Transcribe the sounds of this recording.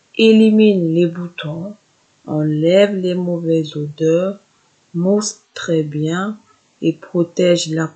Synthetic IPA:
eliminlebut̪ɔ̃ | ɑ̃lɛvlemovɛzod̪œʁ | must̪χɛbjɛ̃ | epχot̪ɛʒla

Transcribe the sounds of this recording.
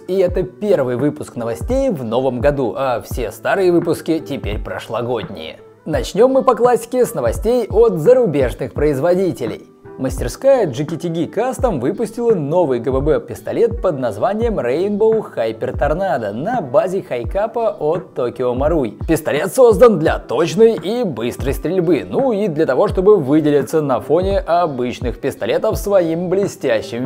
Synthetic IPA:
iɛt̪əpʲe̞rvɨjvɨpʊsknəvɐsʲtʲejvno̞vəmɡɐd̪uʔɐfsʲe̞st̪aɾɨjəvɨpʊskʲɪtʲɪpʲeɾʲpɾə̰ʂlˠɐɡo̞dʲnʲɪ̰jə̰ | nɐt͡ɕnʲo̞mːɨpɐklˠasʲɪ̥kʲɪsnəvɐsʲtʲejot̪zəɾʊbʲe̞ʐnɨxpɾəɪzvɐdʲitʲɪlʲɪ̰j | məsʲtʲɪrskajəʐɨkʲɪtʲɪɡʲikast̪əmvɨpʊsʲtʲɪlˠəno̞vɨjɡəbɛbɛpʲɪst̪ɐlʲe̞t̪̚pəd̪nɐzvanʲɪjəmrenbolxajpʲɪrt̪ɐrnad̪ənɐbazʲɪxɐjkapəʔot̪ːokʲɪomɐɾujpʲɪst̪ɐlʲe̞t̪so̞zd̪ənd̪lʲɐ̰t̪o̞t͡ɕnəjibɨst̪ɾəjst̪ʲɾʲɪlʲbɨnuid̪lʲət̪ɐvo̞ʂt̪o̞bɨvɨdʲɪlʲɪt̪sənɐfo̞nʲɪʔɐbɨt͡ɕnɨxpʲɪst̪ɐlʲe̞t̪əfsvɐimblʲɪsʲtʲæɕːɪm

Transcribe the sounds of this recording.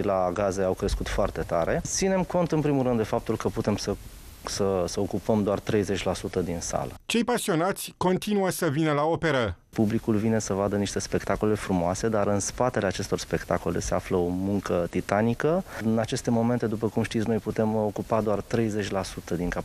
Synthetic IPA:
laɡazeawkɾe̞skut̪foart̪e̞t̪aɾett̪sine̞mko̞nt̪ɨnpɾimulɾɨnd̪d̪e̞fap̚t̪ulkəput̪emsə | səsəokupəmd̪oart̪ɾe̞jze̞t͡ʃʲlasut̪əd̪insa̰lə̰t͡ʃe̞jpasio̞nat̪sʲko̞nt̪inuəsəvinəlao̞pe̞ɾə | publikulvine̞səvad̪əniʃt̪e̞spe̞kt̪ako̞le̞fɾumoase̞d̪aɾɨnspat̪e̞le̞at͡ʃe̞st̪o̞rspe̞kt̪ako̞le̞̰se̞afləo̞muŋkət̪it̪anikəɨnat͡ʃe̞st̪e̞mo̞me̞nt̪e̞d̪upəkumʃt̪it̪sno̞jput̪e̞mo̞kupad̪oart̪ɾe̞jze̞t͡ʃʲlasut̪əd̪iŋka

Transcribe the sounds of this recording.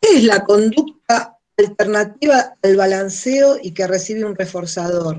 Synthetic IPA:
keeslako̞nd̪uk̚t̪̚aː | lt̪eɾnat̪iβaːlβalanseoʔikeresiβeunre̞fo̞ɾsaðo̞ɾ

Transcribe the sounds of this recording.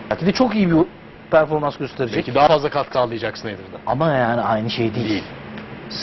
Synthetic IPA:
acʰid̪ɛt͡ʃʰo̞kijibi | pʰæɾfo̞ɾmansɟøst̪ʰe̞ɾid͡ʒd͡ʒɛcʰid̪aɦafazlˠakʰat̪̚kʰɯalˠːɯjad͡ʒaksɯned̪ɯɾd̪aamajaːniajnɯʃejd̪ejeilʲs

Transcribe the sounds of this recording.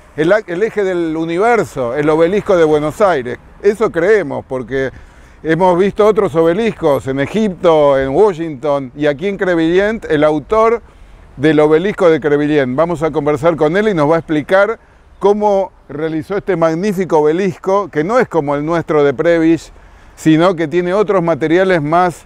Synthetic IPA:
eelexeðeluniβ̞ɛɾso̞elo̞βelihkoð̞e̞βwe̞nosajɾḛs | eso̞kɾeemo̞̰spo̞ɾke | emo̞zβist̪oot̪ɾos̬oβe̞lihko̞senexip̚t̪o̞enwoʃiŋt̪oniak̬ieŋkɾeβiljent̪elawt̪oɾ | ðelo̞βe̞lisko̞ðekɾeβiljent̪bamo̞s̬ako̞mbeɾs̬aɾko̞ne̞lino̞zβaesplikaɾ | ko̞mo | realiso̞est̪e̞maɣnifikoβelihkoke̞no̞esko̞mo̞elnwe̞st̪ɾoðepɾeβisː | ino̞k̬e̞t̪jeneo̞t̪ɾo̞zmat̪e̞ɾjale̞zmas

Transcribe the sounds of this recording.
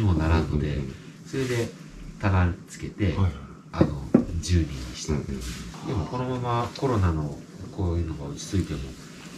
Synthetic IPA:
imo̞naɾãnːod̪e̞̰ | so̞ɾe̞d̪e̞ | t̪anat͡sɨ̥ke̞t̪e̞ | ano̞d͡ʑɨːmʲĩ̥ | d̪emo̞ko̞no̞mamako̞ɾo̞nano̞ | koːjɯ̟ːno̞ɡaɯt͡ɕi̥t͡sɨit̪e̞mo̞

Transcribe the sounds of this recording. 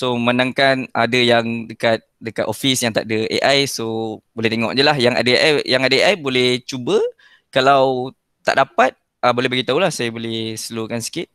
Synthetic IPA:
somənãŋkanadəjaŋdəkat̪̚dəkat̪ofisjaŋt̪a̰ʔdəʔḛʔajsobolɛht̪eŋɔ̰ʔd͡ʒəlaɦjaŋa̰dəeʔajaŋadəeʔajbolɛht͡ʃubə | kalaw | t̪a̰ʔdapat̪̚ | əbolɛhbaɡit̪aulahsajabolɛhsəlukansi̥kit̪̚

